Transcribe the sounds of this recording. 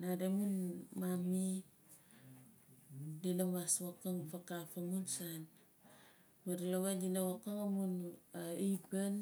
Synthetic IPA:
nadamunmami | dilamaswakaŋpakafamunsan | maɾlawadinawakaŋamunaipan

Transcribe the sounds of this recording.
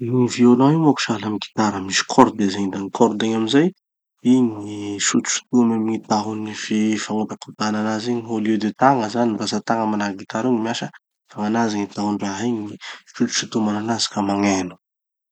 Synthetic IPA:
uŋivionawiŋaku̥ʃalamiɡi̥t̪aɾəmisi̥kʰɔɾd̪ezeɲd̪aŋikʰɔɾd̪eŋaminzaj | iɲiʃut̪u̥ʃu̥t̪umamiŋit̪aɦunififaŋupakut̪ananaziɲiɦoljud̪et̪aŋəzanrasat̪aŋəmanaɾɡit̪aɾiɲimiaʃə | faŋanaziŋit̪aɦuɳɖ͡ʐaɦiɲiiʃut̪u̥ʃut̪umananazi̥kəmaŋenu̥

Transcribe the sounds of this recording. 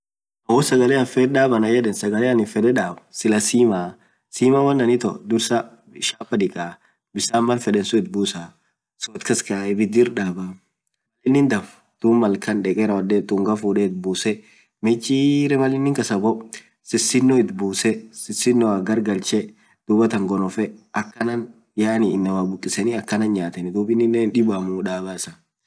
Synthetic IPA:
ɐwɔsɐɡɐlɛɐnfɛɾᶑaːbɐnɐjɛᶑɛnsɐɡɐlɛɐnɪfɛd̪ɛᶑaːbsɪlɐsiːma | siːmɐwɐnːɐnɪt̪ɔ̰d̪ʊɾsɐ | ɪʃaːpːɐd̪ɪkʼa | bɪsaːmbɐnfɛᶑɛnsʊɪt̪̚buːsa | sʊɔt̪kɐskɐaɪbɪd̪ɪɾᶑaːbɐ | mɐlɪnːɪnd̪ɐf | d̪̥uːmːɐlkʰɐnᶑɛkʼɛɾɐwɐd̪ɛt̪ʊŋɡɐfuːᶑɛɪt̪̚buːsɛ | mɛt͡ʃːiɾɛmɐlːɪnːɪŋkɐsɐbɔ | sɪsːɪnːɔɪt̪buːsɛsɪsːɪnːɔɐɡɐɾɡɐlt͡ʃɛ | d̪̥uːbɐt̪ɐŋɡɔnɔfɛɐkːɐnɐn | jaːniːnːɐwaːbʊkʼːɪsɛnɪɐkːɐnɐnɲaːt̪ɛnɪd̪uːbɪnːɪnːenᶑɪbamuᶑaːbaːsɐ

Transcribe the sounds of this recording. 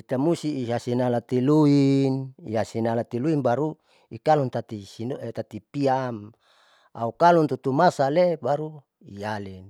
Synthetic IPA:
it̪amusiːɦasinalat̪iluiniɦasinalat̪iluinbaɾu | ikalunt̪at̪isint̪at̪ipiam | a̰ukalunt̪ut̪umasalebaɾu | ijalin

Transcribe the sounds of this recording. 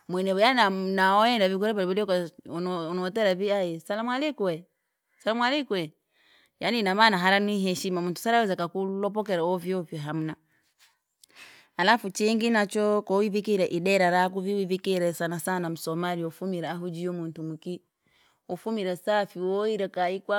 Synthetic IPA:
mwɛnɛβjananaɔɛndavik̬ɔɾɛβaɾiβulika | nɔtɛɾaβiajɛsalamwalikuɛ | salamwalikwɛ | janinamanaɦaɾanwiɦɛʃimamuntu̥saɾawɛzakakulɔpɔkɛɾawɔvjɔvjɔɦamuna | alafut͡ʃiŋɡinat͡ʃɔkɔwivikiɾɛʔiɗɛɾaɾak̬uviwivikiɾɛsanasanamusɔmaɾiɔfumiɾaaɦud͡ʒijɔmuntumuki | ɔfumiɾɛsafiwɔiɾɛkaikwa

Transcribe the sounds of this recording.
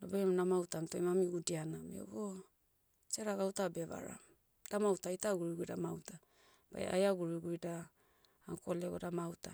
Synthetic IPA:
dobemnamawtamitoimamiɡudianamḭo̰ɡo | t͡ʃaɾaɡawtabeβa̰ɾa̰ | d̥amawtaitaɡuɾiɡudamawta | b̥a̰ja̰jaɡuɾiɡujdaː | ŋko̞leɡo̰damawta

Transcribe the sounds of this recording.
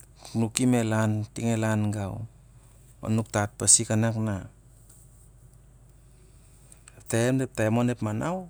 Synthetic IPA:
knukimelantiŋelanɡaw | o̰nuk̚tat̚pasikanakna | ep̚taemdep̚taemonepmanʔaw

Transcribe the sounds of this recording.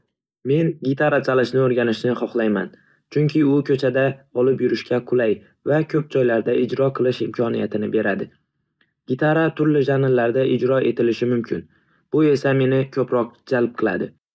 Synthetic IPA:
me̞nɡʲɪt̪ʰaɾat͡ʃʰalɪʃnɪoɾɡʲanɪʃnɪχɒχlˠajma̰n | t͡ʃʰʊŋkʲʰɪʊkʰɵt͡ʃʰad̪aɒlˠɪpjʊɾɪʃkʲaqʰʊlaj | vakʲʰɵp̚d͡ʒɒjlaɾd̪aɪd͡ʒɾɒqʰɨlˠɪʃɪmkʰɒnijat̪ʰɪnɪbe̞ɾad̪ɪ | ɡ̥ʲɪt̪ʰaɾat̪ʰʊɾlɪʒanɪlːaɾd̪aʔɪd͡ʒɾɒʔe̞t̪ʰɪlɪʃɪmʊmkʲʰɪ̰n | b̥ʊe̞same̞nɪkʲʰɵpɾɒq̚d͡ʒalˠp̚qʰɨlˠa̰d̪ɪ

